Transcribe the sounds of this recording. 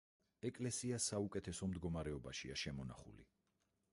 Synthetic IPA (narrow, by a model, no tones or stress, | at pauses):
ɛkʼlɛsiasaukʼɛt̪ʰɛsɔmd̪ɡɔmaɾɛɔbaʃiaʃɛmɔna̰χṵlḭ